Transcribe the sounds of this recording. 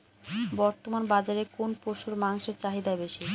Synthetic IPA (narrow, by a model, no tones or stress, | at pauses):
bɔɾt̪omanbad͡ʑaɾekonpoʃuɾmaŋʃeɾt͡ɕaɦid̪abeʃi